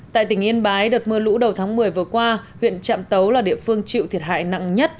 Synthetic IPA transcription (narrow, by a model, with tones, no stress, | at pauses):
t̪a̰ː˧˨jt̪ï˩ŋ̟ʔi˧ənɓaː˨˦jɗə˨˩t̚mɨ˧əlṵ˧˥ɗə˨˩wt̪ʰaː˨˦ŋmɨ˨˩əjvɨ˨˩əkwaː˧hwḭ˧˨ənt͡ɕa̰ː˧˨mt̪ə˨˦wlaː˨˩ɗḭ˧˨əfɨ˧əŋt͡ɕḭ˧˨wt̪ʰi˨˩əha̰ː˧˨jna̰˧˨ŋɲə˦˥t̚